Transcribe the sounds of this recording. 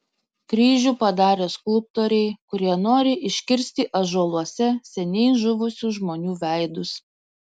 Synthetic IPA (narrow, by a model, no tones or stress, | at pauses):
kɾʲiːʒʲuːpɐd̪ɑːɾʲeːskʊlˠp̚t̪oːɾʲɛɪkʊɾʲiɛnoːɾʲɪʔɪʃʲkʲɪɾʲsʲt̪ʲɪʔɐʒoːlˠuɔsʲɛsʲɛnʲɛɪʒʊʋʊsʲuʒmoːnʲuːʋʲæˑɪd̪ʊs